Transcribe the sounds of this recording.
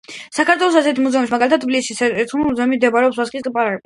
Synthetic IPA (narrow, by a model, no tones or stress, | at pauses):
sakʰat̪ʰwɛlˠɔsasɛt̪ʰimuzɛɔmismaɡalit̪ʰat̪ʰbilisisɛɛɾt̪ʰuimuzɛmid̪ɛbaɾɛɔpswasqʼiskʼipʼaɾaɛ